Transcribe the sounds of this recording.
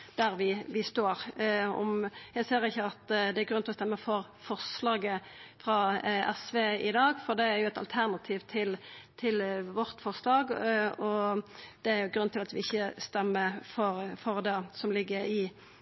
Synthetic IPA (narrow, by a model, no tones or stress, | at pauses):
d̪̥æɾʋɪʋɪst̪oːɾɔ̰mjæɪseːɾɪçːəɑt̪d̪ɛæɾɡɾʉnɪlɔst̪ɛmːəfɔɾfɔʁʂlɑːɡəfɾɑːɛsʋeːɪd̪ɑːɡfɔʁd̪ɛæɾjʊɛt̪ɑ̰lt̪ʰæʁnɑt̪ʰiːʋt̪ʰɪlt̪ʰɪlʋɔʁt̪fɔʁslɑːɡɔd̪̥ɛæɾjʊɡɾʉnt̪ʰɪlɑt̪ʋɪɪçːəst̪ɛmːəfɔɾfɔɾd̪ɛsɔmlɪɡːəɾɪ